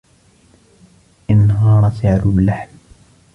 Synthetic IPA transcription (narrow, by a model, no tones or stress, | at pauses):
ʔɪnːɦaːɾˤɑsɪʕɾubɪlaħm